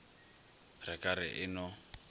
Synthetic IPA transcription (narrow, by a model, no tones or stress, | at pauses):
rɛkʼaɾɪ̰ʔɪnɔ